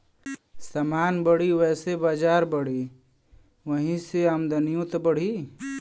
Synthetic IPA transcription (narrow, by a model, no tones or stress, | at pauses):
samaːnbəɽiʋɛːsebad͡ʒaːɾbəɽi | ʋəɦĩseamd̪ənijũt̪bəɽ̤i